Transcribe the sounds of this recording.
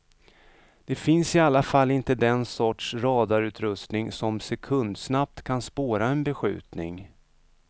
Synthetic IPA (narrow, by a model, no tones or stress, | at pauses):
d̪̥ɛfɪnsɪalːafalːɪnt̪əd̪ɛnsɔʈʂɾɑːd̪aɾʉ̟ːt̪ɾɵst̪nɪŋsɔmsɛkʰɵnd̪snap̚t̪kʰanspoːɾaɛnbɛɧʉ̟̰ːt̪nɪ̰ŋ